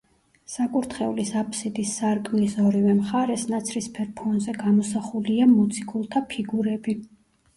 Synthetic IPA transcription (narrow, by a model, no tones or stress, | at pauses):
sakʼuɾt̪ʰχɛulisapʰʼsid̪isːaɾkʼmisɔɾivɛmχaɾɛsnat̪sʰɾispʰɛɾpʰɔnzɛɡamɔsaχuliamut̪sʰikʼulˠt̪ʰapʰiɡuɾɛbi